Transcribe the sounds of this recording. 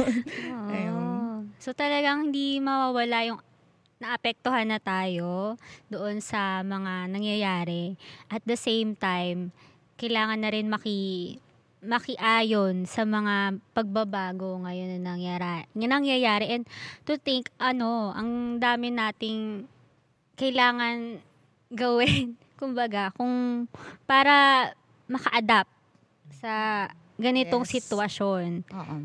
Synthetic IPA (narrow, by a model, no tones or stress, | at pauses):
oʔɐjoso̞t̪ɐlɐɡaŋhɪnd̪imɐwaːwɐlajʊŋ | nɐʔɐpɛk̚t̪oɦanːɐt̪aːjo̞d̪oʔo̞nsɐmɐŋanɐŋjɐjaːɾɛʔɐt̪̚d̪ɐsejmt̪ajm | kɐjlaːŋɐnːɐɾɪnmɐkɪ | mɐkɪʔaːjo̞nsɐmɐŋapɐɡ̚bɐbaːɡo̞ŋɐjo̞nːɐnɐŋjaɾanɐnɐŋjɐjaːɾɛʔɛnd̪̚t̪ʊθɪŋkʔɐno̞ʔɐ̰ŋd̪aːmɪnaːt̪ɪŋ | kɐjlaːŋɐn | ɡɐwɪn | kʊmbɐɡakʊŋpaːɾɐ | mɐkɐʔɐd̪ap̚t̪̚ | sɐ | ɡɐnɪt̪o̞ŋsɪt̪wɐʃo̞n